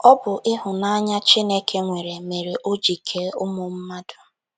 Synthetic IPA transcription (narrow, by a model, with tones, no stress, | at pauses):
ɔ˦bʊ˨ʔɪ˦ɦʊ˨na˦a˦ɲa˦t͡ʃi˦ne˦kʰe˦ŋʷe˨ɾe˨me˨ɾe˨ʔo˦d͡ʒi˨kʰe˨ʊ˦mʊ˨m̩˦ma˦dʊ˨